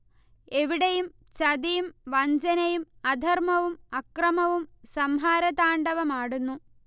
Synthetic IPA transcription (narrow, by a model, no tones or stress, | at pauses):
e̞ʋiɽejum | t͡ɕɐd̪ijumʋɐɲd͡ʑɐnɐjumɐd̪ʱɐrmɐʋumɐkrɐmɐʋumsɐmɦaːɾɐðaːɳɖɐʋɐmaːɽunːu